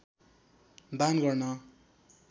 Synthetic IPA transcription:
d̪anɡʌrnʌ

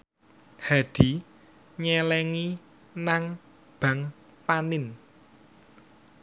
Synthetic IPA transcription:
haɖ̪̥i̤ | ɲɛlɛŋi | naŋ | b̥a̤ŋ | panɪn

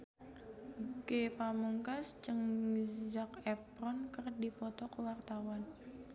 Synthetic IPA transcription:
ɡepamuŋkast͡ʃəŋzakɛpɾɔnkərdipɔt̪ɔkəwart̪awan

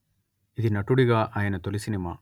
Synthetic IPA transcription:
id̪inɐʈːuɽiɣaːʔaːjɐnɐt̪olisinima̰ː

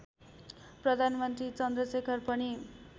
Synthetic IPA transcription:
prʌd̪ʱanmʌnt̪rit͡sʌnd̪rʌsekʰʌrpʌni

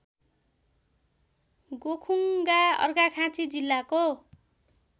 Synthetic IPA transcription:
ɡokʰuŋɡaʌ̰rɡakʰãt͡sid͡zilːako

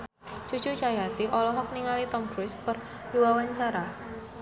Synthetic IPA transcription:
t͡ʃu̥t͡ʃut͡ʃajat̪iʔɔlɔɦɔk̚niŋalit̪ɔmpɾʊskər | diwawaɲt͡ʃaɾa

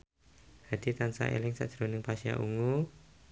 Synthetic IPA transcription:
ha̤d̪̥it̪ansa̰ʔḛlɪŋsa̰ʔd̥ʒ̥ɾonɪŋpasia̰ʔuŋu

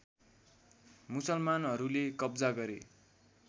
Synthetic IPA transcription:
musʌlmanʌɾulekʌbd͡zaɡʌɾe

